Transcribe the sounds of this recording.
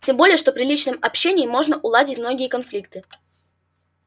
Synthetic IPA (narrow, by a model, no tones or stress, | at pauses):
tʲembo̞lʲɪjəʂt̪o̞pɾʲɪlʲit͡ɕnɨmɐpɕːenʲɪjːmːo̞ʐnəʔʊlˠadʲɪtʲmno̞ɡʲɪjəkɐnflʲikt̪ɨ